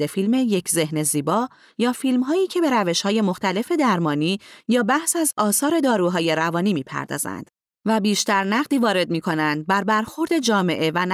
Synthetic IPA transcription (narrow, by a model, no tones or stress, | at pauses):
efilme̞je̞cʰze̞hne̞ziːbɒː | jɒːfilmɦɒːjiːcʰe̞be̞ɾæve̞ʃhɒːje̞moxt̪æle̞fe̞d̪æɾmɒːniːjɒːbæhsæzɒːsɒːɾe̞d̪ɒːɾuːɦɒːje̞ɾævɒːniːmiːpʰæ̰ɾd̪ɒ̰ːzæ̰nd̪̥ | væbiːʃt̪æɾnæʁd̪iːvɒːɾe̞d̪̚miːkʰo̞nænd̪̚bæɾbæɾxo̞ɾd̪e̞d͡ʒɒːme̞ʔe̞væn